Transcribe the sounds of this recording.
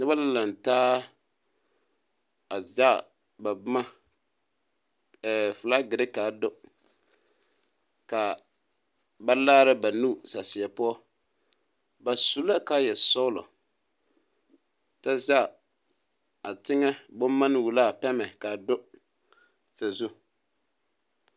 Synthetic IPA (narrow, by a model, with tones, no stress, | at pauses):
nɨ˦ba˦la˦la˨n˨taː˦ | a˨za˦˨ | ba˨bʊ˦ma˦˨ | fʊ˨la˦ɡɪ˨ɾɪ˦ka˨dʊ˦ | ka˨ | ba˦laː˦ɾɪ˦ba˨nu˦sa˨sɪ˨a˨pʊ˦ɔ˦ | ba˨su˦la˦ka˦jɛ˨sɔ˦ʊ˦lɔ̰˨ | ta˦za˦˨ | a˨tɪ˦ŋɛ˦bʊ˦mː˦a˦n˦wu˨la˦˨pɛ˦mɛ˨ka˨dʊ˦ | sa˨zu˦